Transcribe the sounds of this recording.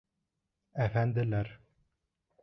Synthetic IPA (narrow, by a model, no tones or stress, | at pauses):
æfænd̪ɘ̆læɾ